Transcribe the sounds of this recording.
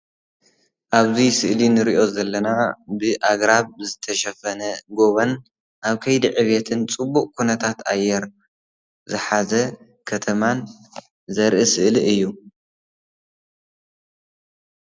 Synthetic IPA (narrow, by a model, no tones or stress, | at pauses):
ʔaβzisɨʔlinɨɾiʔo̞zɐlːɐnabɨʔaɡɾaβzɨt̪ʰɐʃɐfɐnɐɡo̞βɐn | ʔaβkʰɐjd̪iʕɨβet̪ʰɨnt͡sʼɨbːuqʼkʰunɐt̪ʰat̪a̰jːɛɾ | zɨħazɐ | kʰɐt̪ʰɐman | zɐɾʔisɨʔliʔɨjːu